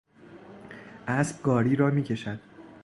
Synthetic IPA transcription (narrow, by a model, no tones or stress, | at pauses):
ʔæsb̥̚ɡɒːɾiːɾɒːmiːcʰe̞ʃæd̪̥̚